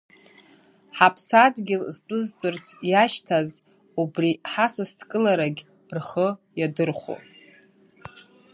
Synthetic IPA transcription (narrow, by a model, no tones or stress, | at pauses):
ħapʰsadɡʲɪlzt͡pʷʼʊzt͡pʷʼʊrt͡sʰjaʃtʰaz | ubriħasɨstʰkʼɨlaɾaɡʲ | rχəjadɨrχʷo̰